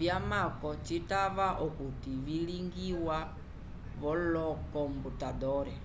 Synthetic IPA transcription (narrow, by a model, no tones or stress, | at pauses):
vjamakɔt͡ʃitaβaʔukutiviliŋɡiwa | βɔlɔkɔmbutadɔɾɛ